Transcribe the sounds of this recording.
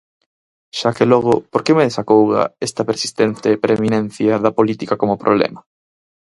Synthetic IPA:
ʃakelɔɣ̞ʊpoɾkemeðesakowɣa̰est̪ɐpeɾsi̥st̪ent̪epɾʔemĩnẽn̟θjɐðɐpolit̪ikakomopɾoβlɛ̰mɐ

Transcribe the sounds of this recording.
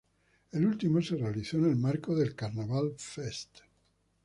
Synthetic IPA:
elult̪imosirealit̪sɔnelmarkod̪elkarnavalfɛst̪

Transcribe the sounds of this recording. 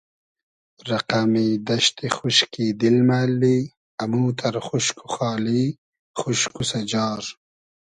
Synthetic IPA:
ɾɐqamid̪ɐʃt̪ixuʃkiːd̪ilmaːlːi | ɐmuːt̪ʰɐɾxuʃkuxɑːliː | χuʃkusɐd͡ʒɑːɾ

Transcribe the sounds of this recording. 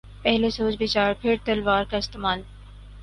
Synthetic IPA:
pɛɦlesoːt͡ʃbɪt͡ʃaːɾpʰɪɾt̪ɐlʋaːɾkaɪst̪əmaːl

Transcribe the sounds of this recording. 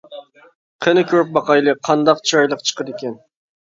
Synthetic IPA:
qʰənɨkʲʰøp̚bɑqɑjlˠɨqʰɑnd̪ɑqt͡ʃʰɑjlˠəqt͡ʃʰə̥qʰəd̪ekʲɛn

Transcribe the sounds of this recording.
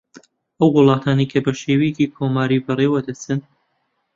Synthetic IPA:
ʔɐwːʊlˠɑːt̪ʰaːnejkʰɐbɐʃeːweciːkʰomaːɾiːbɨreːwɐd̪ɐt͡sɨn

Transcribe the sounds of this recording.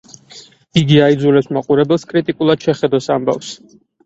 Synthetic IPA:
iɡiaid̪zulɛpsmaqʼuɾɛbɛlˠskʼɾit̪ʼikʼulˠad̪̥ʃɛχɛd̪ɔsamba̰fs

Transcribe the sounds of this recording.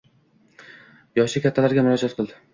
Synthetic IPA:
jɒʃɪkʲʰat̪ʰːalaɾɡʲamʊɾɒd͡ʒat̪̚qʰɨlˠd̪ɪ

